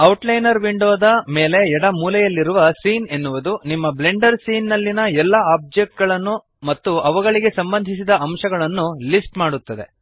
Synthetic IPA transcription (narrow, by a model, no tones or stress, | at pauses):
ɐwʈlɐjnɐɾʋiɳɖoːd̪ɐme̞ːle̞ɛɽɐmuːlɐjɐlːiɾuʋɐsiːne̞nːuʋud̪unimːɐble̞ɳɖɐɾsiːnːɐlːinɐɛlːɐaːb̚d͡ʒek̚ʈ̚ɡɐɭɐnːu | mɐt̪ːuɐʋɐɡɐɭiɡe̞sɐmbɐnd̪ʱisid̪ɐɐmʃɐɡɐɭɐnːulisʈmaːɽut̪ːɐd̪e̞̰